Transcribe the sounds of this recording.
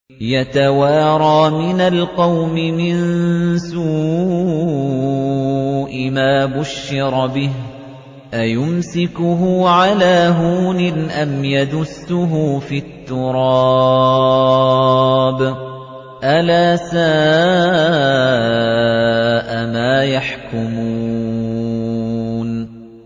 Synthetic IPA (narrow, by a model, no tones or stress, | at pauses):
jat̪awaːɾˤɑːmɪnalqɑwmɪmɪnsuː | ʔɪmaːbʊʃːɪɾbɪh | ʔajʊmsɪkʊɦʊːʕalaːɦuːnɪnʔamjad̪ʊsːʊɦuːfit̪ːʊɾˤɑ | b | ʔalaːsaː | ʔamaːjaħkʊmuː | n